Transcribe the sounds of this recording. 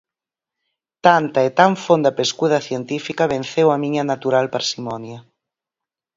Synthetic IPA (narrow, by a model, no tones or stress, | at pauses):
t̪ant̪aet̪aɱfond̪ɐpeskuðɐθjent̪ifikɐβen̟θewɐmiɲɐnat̪uɾalpaɾsimɔnjɐ